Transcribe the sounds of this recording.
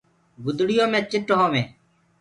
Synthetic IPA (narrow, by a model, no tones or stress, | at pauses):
ɡʊd̪ɽɪjõːmẽːt͡ʃɪʈːɦõːmẽː